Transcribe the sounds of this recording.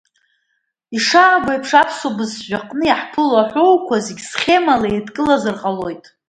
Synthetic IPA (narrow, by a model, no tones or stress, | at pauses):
iʂaːɡʷajpʰʂapʰsobɨzʒʷᶣaqʼnɨjaħpʰɨlaħʷowkʷʰazeɡʲsχʲe̞malaedkʼɨlazɨrqʼalo̞jtʼ